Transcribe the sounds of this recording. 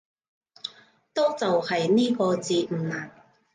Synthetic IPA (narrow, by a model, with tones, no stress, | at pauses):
t̪ɔː˥t͡sɐ˨whɐ˨jniː˥kɔː˧t͡siː˧m̩ː˨˩naː˨˩n